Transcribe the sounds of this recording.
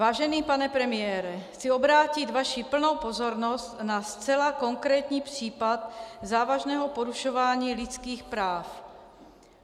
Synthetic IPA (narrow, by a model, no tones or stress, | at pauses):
vaːʒɛniːpanɛpɾɛmɪjɛːɾɛxt͡siobɾaːcɪt̪vaʃipl̩nowpozoɾnost̪nast͡sɛlako̞ŋkɾɛːt̪ɲiːpr̥iːpat̪̚zaːvaʒnɛːɦopoɾuʃovaːɲiːlɪt͡skiːxpɾaːf